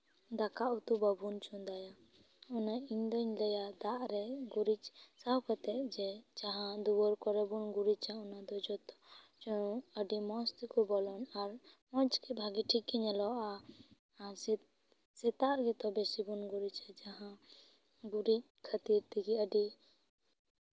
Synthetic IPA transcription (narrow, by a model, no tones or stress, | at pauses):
d̪akaʔut̪ubabunt͡ʃund̪aja | ɔnaind̪ɔɲlɛjad̪aʔɾɛɡuɾit͡ʃsawkat̪ɛʔd͡ʒɛd͡ʒaɦãd̪uwɔɾkɔɾɛbunɡuɾit͡ʃaɔnad̪ɔd͡ʒɔt̪ɔt͡ʃɔəɖimɔst̪ikɔbɔlɔnaɾmɔd͡ʒkɛbʱaɡiʈʰikːiɲɛlɔa | aɾs | sɛt̪aʔɡɛt̪ɔbɛsibunɡuɾit͡ʃad͡ʒaɦã | ɡuɾit͡ʃ̚ | kʰət̪iɾt̪iɡiəɖi